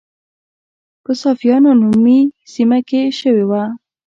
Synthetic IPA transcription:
pəsɑfijɑnonumisimakeʃəwewa

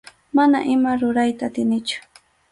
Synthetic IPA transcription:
manaʔɪmaɾʊɾajt̪aːt̪ɪnɪt͡ʃʊ̥

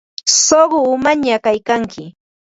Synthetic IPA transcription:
soɢʊʊmaɲakajkaŋkɪ

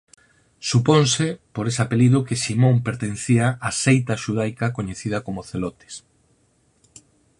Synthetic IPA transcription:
suponsepoɾes̬apeliðʊkeʃimõmpeɾt̪ẽn̟θiaʔasejt̪aʃuð̞ajkɐkoɲeθið̞ɐkomoθelot̪e̥s

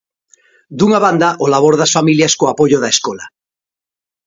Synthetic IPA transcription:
d̪uŋaβand̪aʔolaβ̞oɾðasfamiljaskoapoʝoðaeskola

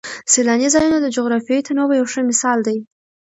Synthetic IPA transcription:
selɑnizɑjunod̪əd͡ʒoɣɾɑfijɑit̪ʰanowajawʂəmɪsɑld̪aj

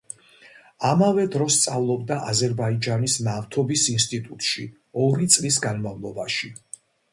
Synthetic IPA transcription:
amavɛd̪ɾɔst̪sʼavlˠɔbd̪aʔazɛɾbaid͡ʒanisnaft̪ʰɔbisinst̪ʼit̪ʼut̪ʼʃḭ | ɔɾit̪sʼlis̬ɡanmavlˠɔbaʃi

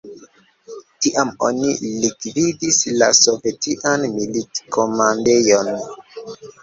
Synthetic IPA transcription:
tiʔamo̞̰nilikvidisla̰so̞ve̞tiʔanmilitkʰo̞mande̞jon

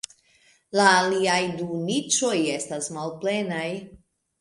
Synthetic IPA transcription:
laːliajdunit͡ʃo̞je̞stasmalple̞naj

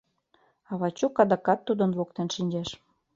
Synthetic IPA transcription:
ɑβɑt͡ɕukɑd̪ɑkɑt̪ːud̪ənβokt̪enʃinʲd͡ʑeʃ

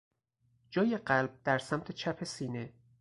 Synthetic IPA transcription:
d͡ʒɒːjeɢælb̥̚d̪æɾsæmt̪ʰe̞t͡ʃʰæpʰe̞siːne

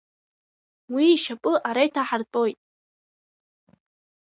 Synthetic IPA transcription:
wiːʃapʼɨʔaɾajtʰaħart͡sʼo̞jtʼ

